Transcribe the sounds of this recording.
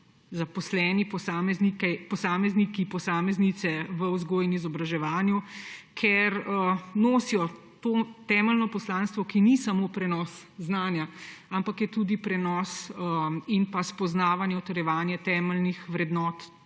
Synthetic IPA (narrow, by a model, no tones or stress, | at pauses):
zapɔslɛːnipɔsaːmɛznikɛpɔsaːmɛznikipɔsaːmɛznit̪sɛʋəuzɡoːjnizɔbɾaʒɛʋaːnjukʰɛɾənoːsijɔ | t̪oːt̪ɛːməlnɔpɔslaːnst̪ʋɔkinisamopɾɛnɔːsznaːnjaampakjɛt̪ud̪ipɾɛnɔsəinpaspɔznaːʋanjɛɔt̪ɛɾjɛʋaːnjɛt̪ɛːməlnixʋɾɛd̪nɔːt̪